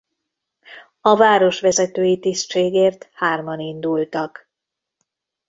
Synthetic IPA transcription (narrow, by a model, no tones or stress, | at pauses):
ɒvaːɾo̞ʃʋɛzɛt̪øːjit̪istt͡ʃeːɡeːrt̪haːrmɒnind̪ult̪ɒk